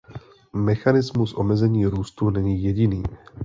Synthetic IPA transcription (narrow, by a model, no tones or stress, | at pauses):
mɛxanɪzmusʔo̞mɛzɛɲiːɾuːst̪unɛɲiːjɛɟɪniː